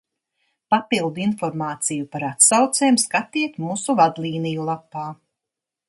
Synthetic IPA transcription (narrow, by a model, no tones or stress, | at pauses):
papilˠd̪uinfɔɾmaːt̪sijupaɾat̪sawt̪sɛːjmskat̪iɛt̪muːsuvad̪liːnijulˠapːaː